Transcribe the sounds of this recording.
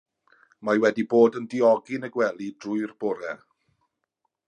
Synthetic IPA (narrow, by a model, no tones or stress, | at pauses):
majwɛdiboːdəndɪɔɡɪnəɡwɛlˠid̥rʊɨrbɔɾɛ